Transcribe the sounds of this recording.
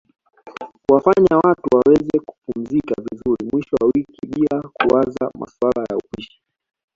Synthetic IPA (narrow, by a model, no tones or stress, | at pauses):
kuwafaɲawatuwawɛzɛku̥pum̩zikavizuɾimwiʃɔwawikiɓilakuaza̰ma̰swalaja̰upiʃi̥